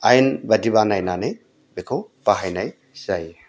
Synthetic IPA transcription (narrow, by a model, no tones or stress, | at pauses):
ajnbadibanajnanɯj | bekʰowpaɦajnaj | z̥aj